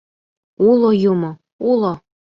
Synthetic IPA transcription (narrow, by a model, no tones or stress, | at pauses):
ulˠojumo | ulˠo